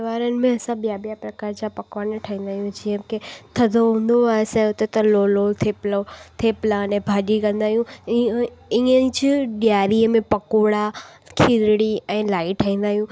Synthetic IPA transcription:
ʋaːɾənɪ̆mẽɐsãɓijaɓijapɾɐkaːɾd͡ʑapɐkʋanʈʰaĩːn̆d̪aːɦjũd͡ʑiə̃ket̪ʰɐd̪ʱoɦũːnd̪oaːesɛ̃ʊt̪et̪ɐlolot̪ʰeplot̪ʰeplaːnẽbʱaːɗikɐ̃nd̪aːɦijũ | ĩə̃d͡ʑɪɗɪjaːɾiəmẽpɐkoːɽakʰiɾɽiɛ̃ːlaːiʈʰaĩːnd̪aːɦjũ

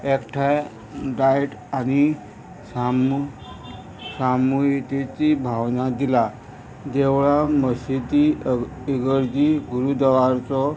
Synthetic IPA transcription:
ekʈʰa | ɖajʈani | sam | samujet̪et͡ɕibʱaʋnad̪ila | d͡ʑ̪eʋɭaməsit̪iiɡəɾd͡ʑiɡuɾud̪əʋaɾt͡sɔ

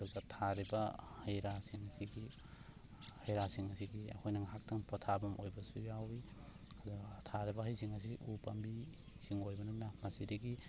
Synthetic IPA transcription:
duɡɐtʰaɾibɐhɐjɾasiŋɐsiɡi | hajɾasiŋɐsiɡiɐ̰kʰojnɐŋɦak̚tʰɐŋpʰɔtʰabɐmojbɐsujawi | ɐdutʰaɾibɐɦɐjsiŋɐs̬iʔupɐmbi | siŋojbɐnɐnːamɐsidɐɡi

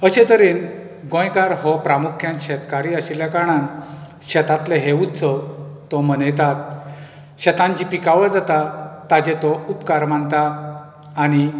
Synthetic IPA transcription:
əɕẽt̪əɾen | ɡɔ̃jkaɾɦɔpɾamukʰjãnɕɛt̪kaɾiəɕiljakaɽ̃ãn | ɕɛt̪at̪leɦeut̪t͡sʰɔt̪ɔmənəjt̪at̪̚ | ɕɛt̪ãɲt͡ɕipikaʋəd͡zat̪at̪ad͡ʑet̪ɔupkaɾmant̪aː | ɽ̃i

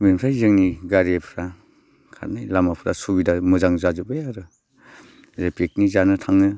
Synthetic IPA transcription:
memɾajzɯŋniɡaɾepʰɾa | kʰa̰ɾnajlamapʰɾa̰subidamɯzaŋzazɯbɯjaɾɯ | ɾepek̚nizanɯtʰaŋnɯ

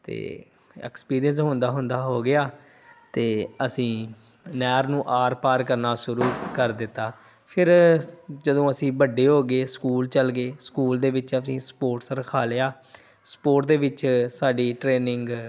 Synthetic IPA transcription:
t̪ḛː | ɛ̰ːkspiːɾijənsɦʊ̃nd̪aːɦʊ̃nd̪aːɦoːɡɪaː | t̪eːəsĩː | nɛːɾnũːʔaːɾpaːɾkəɾnaːsʊɾuːkəɾd̪ɪt̪ːaː | pʰɪɾd͡ʒəd̪õːəsĩːbəɖːeːɦoːɡeːskuːlt͡ʃəlɡeːskuːld̪eːʋɪt͡ʃəsĩːspoːʈsəɾəkʰaːleaː | spoːʈd̪eːʋɪt͡ʃsaːɖiːʈɾeːnɪ̃ŋɡ

